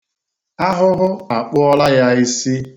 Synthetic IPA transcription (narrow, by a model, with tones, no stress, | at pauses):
a˦ɦʊ˦ɦʊ˦a˨k͡pʊ˦ɔ˦la˦ja˦i˦si˦